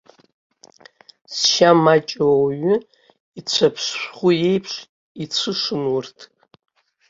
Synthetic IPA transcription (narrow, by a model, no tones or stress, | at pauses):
sʃamat͡ʃʼawwɥʊ | it͡ɕʷʰapʰsʃʷχʷʊje̞jpʰʂ | it͡sʷʰɨʂɨnwʊrtʰ